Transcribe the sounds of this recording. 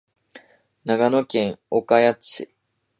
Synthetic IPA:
naɡanokẽ̞ŋokajat͡sɨ

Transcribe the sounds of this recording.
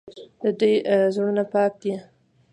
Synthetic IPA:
d̪əd̪ujzɽunapɑk̚d̪i

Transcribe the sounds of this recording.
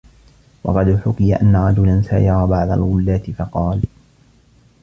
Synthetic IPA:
wɑ̰qɑd̪ħʊkɪjaʔanːaɾˤɑd͡ʒʊlansaːʔɪɾˤɑbaʕd̪ˤa̰lɣʊlːaːt̪ɪfɑqɑːl

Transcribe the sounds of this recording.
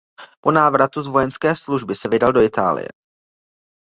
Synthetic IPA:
po̞naːvɾat̪uzvo̞jɛnskɛːsluʒbɪsɛvɪdaldo̞ɪt̪a̰ːlɪ̰jɛ̰

